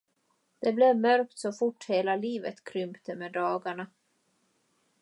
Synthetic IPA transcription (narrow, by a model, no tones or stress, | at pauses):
d̪̥ɛblɛvmœɾk̚t̪sɔfʊʈːheːlaliːvə̰t̪kʰɾʏmpt̪əmɛd̪ɑːɡaɳa